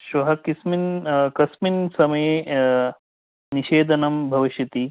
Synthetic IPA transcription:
ʃʋɐɦɐkisminkɐsminsɐmɐje | niʃeːd̪ʱɐnɐmbʱɐʋiʃjɐt̪i

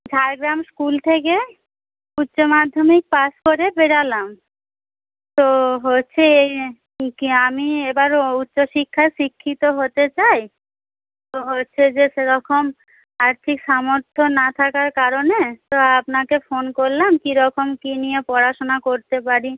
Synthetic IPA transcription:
d͡ʑʱaɾɡɾamskult̪ʰeke | utːɕomad̪ʱːomik̚paskoɾepeɽalam | t̪oɦotːɕʰeej | kiamiebaɾutːɕoʃikʰːaʃikʰːit̪oɦot̪et͡ɕaj | t̪oɦotːɕʰed͡ʑeʃeɾɔkʰom | aɾt̪ʰikʃamoɾt̪ʰonat̪ʰakaɾkaɾonet̪oapnakefonkoɾlamkiɾɔkomkinijepɔɾaʃonakoɾt̪epaɾi

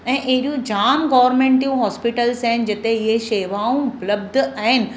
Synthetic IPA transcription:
ɛ̃ːʔɐɦɪɾijũd͡ʑaːmɡɔːʋəɾmẽːɳʈijũɦɔːspiʈəlsaɦɪnɪ̆d͡ʑɪt̪eɪɦeʃeːʋaːũpləb̚d̪ʱaɦɪnɪ̆

